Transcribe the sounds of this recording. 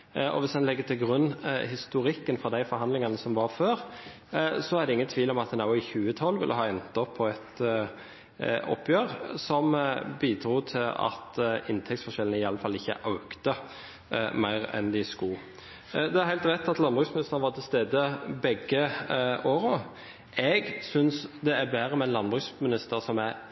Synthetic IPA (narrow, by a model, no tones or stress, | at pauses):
ʔɔ̰ʋɪsd̪ɛnlɛɡːət̪ʰɪlɡɾʉnːhɪst̪ʊɾɪkːənfɾɔd̪æɪfɔɾɦɑnd̪lɪŋɑnəsɔmʋɑɾføːɾ | sɔæɾd̪ɛɪŋːənt̪ʰʋiːlɔmɑt̪̚d̪ɛnɑʊɪçʉːət̪ʰɑlːʋɪ̰lʔəɦɑːɛnt̪ːɔpʰːɔɛt̪ | ɔ̰pʰːjøːʁsɔmbiːd̪ɾuːt̪ʰɪlɑ̰t̪ɪnt̪ʰɛkt̪sfɔʃɛlənəɪɑlːəfɑlːɪçːə̰ʔɑʉkt̪ə | mæɪʁɛ̰nd̪ɪskuː | d̪ɛæɾhæɪlt̪ʁɛt̪ːɑt̪lɑnbʁʉːksmɪnɪst̪ənʋɑt̪ʰɪlst̪eːd̪əbɛɡəoːɾʊ | ɛɡsʏnsd̪ɛæbæːɾəmɛnlɑnbʁʉːksmɪnɪst̪əɾsɔmæɾ